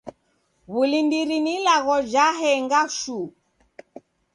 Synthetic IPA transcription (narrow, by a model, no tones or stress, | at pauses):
βulindiɾinilaɣɔd͡ʒaɦɛŋɡaʃu